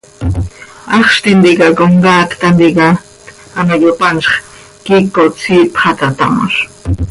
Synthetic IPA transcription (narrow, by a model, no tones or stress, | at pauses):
ɑχʃt̪ind̪iɡakoŋɡaːkt̪and̪iɡɑ | t̪ | anajopanʃχ | kikot͡sʰipχat̪at̪a̰ma̰ɾ